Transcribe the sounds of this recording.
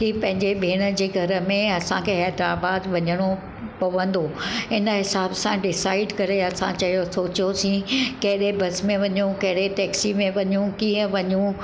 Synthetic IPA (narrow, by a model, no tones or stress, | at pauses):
ʈiːpɐ̃ɦɪ̃ɲd͡ʑebʱeːɽ̃ə̆d͡ʑeːɡʱɐɾə̆mẽɐsãkʰeɦɛːd̪ɾaːbaːd̪ʋɐɲəɽ̃o | pɐʋə̃nd̪oɪnə̆ɦɪsaːbsãɖɪsaːɪɖkɐɾeɐsãt͡ɕɐɦjosoːt͡ɕijosĩkɐɦɪɗebɐsmẽʋɐɲũkɐɦɪɗet̪ɛːksimẽʋɐɲũkiːə̃ʋɐɲũ